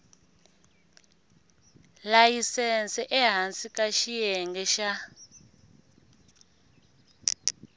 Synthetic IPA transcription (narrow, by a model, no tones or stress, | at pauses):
lajisɛnt͡sɛʔɛɦansʼikʼaʃijɛŋɡɛʃa